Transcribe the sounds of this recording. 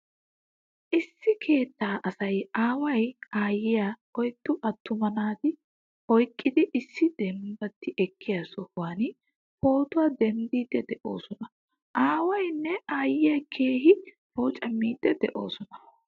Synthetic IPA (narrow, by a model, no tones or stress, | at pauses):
ʔɪsːɪkʰe̞ːt̪ːaːʔɐsɐjaːwɐjaːjɪja | ɔjt̪ːʊʔɐt̪ʰːʊmɐnaːd̪ɪ | ɔjkʼːɪd̪ɪʔɪsːɪd̪̥ɛmbɐt̪ːɪʔɛkʰːɪjasɔhwaːnɪ | po̞ːt̪ʊwaːd̪ɛmd̪iːd̪ːɛd̪ɛʔo̞̰ːsɔnɐ | ʔaːwɐjnːɛaːjɪjɐkʰe̞ːhɪ | poːt͡ʃʼɐmːiːd̪̥ːɛd̪ɛ̰ʔo̞̰ːsɔnɐ̥